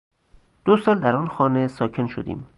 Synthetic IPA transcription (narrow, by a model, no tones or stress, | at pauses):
d̪̥osɒːld̪æɾɒːnxɒːnesɒːcʰe̞nʃo̰d̪ḭːm